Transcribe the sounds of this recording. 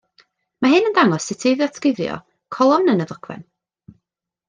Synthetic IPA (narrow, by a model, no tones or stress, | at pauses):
maɦɨnəndaŋɔsːɪtʰejðjɔsʰkɪðrjɔ̰ | kʰɔlˠɔnənəðɔkʰwɛ̰n